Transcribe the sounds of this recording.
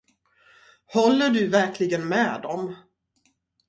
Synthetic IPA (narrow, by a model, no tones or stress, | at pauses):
hɔlːəɖɵvæɾkʰlɪɡənmɛːd̪ɔm